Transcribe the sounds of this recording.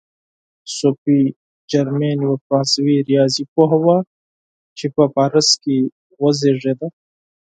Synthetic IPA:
sopi | d͡ʒɐɾmeːnwɐpãːswiːɾijaːzipoɦɐwa | t͡ʃʰipapaɾɐski | wɐzeʐed̪a

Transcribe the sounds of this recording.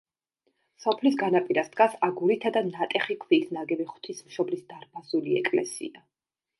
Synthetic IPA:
sɔpʰlisɡanapʼiɾasd̪ɡasaɡuɾit̪ʰad̪anat̪ʼɛχikʰviːsnaɡɛviχw̥t̪ʰismʃɔblisd̪aɾbazuliɛ̰kʼlɛ̰sḭa

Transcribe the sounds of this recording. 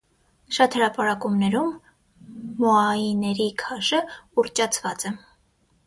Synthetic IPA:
ʃɑt̪həɾɑpɑɾɑkumnɛɾumː | ɔɑinɛɾikʰɑʃəurt͡ʃɑt͡sʰvɑt͡sɛ

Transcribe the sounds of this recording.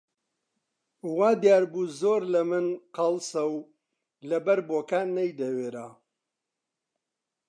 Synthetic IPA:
waːd̪jaːɾbuːzoːɾlɐmɨnqɐlsɐw | lɐbɐɾboːkaːnːɐjd̪ɐweːɾa

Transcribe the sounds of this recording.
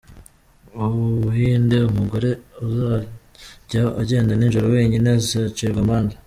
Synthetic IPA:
uβuuɦiːnde̞umuɡo̞ɾe̞uza | ɟaaɟe̞ːndaninʒuɾoweːɲinezat͡ʃiɾɡamaːnza

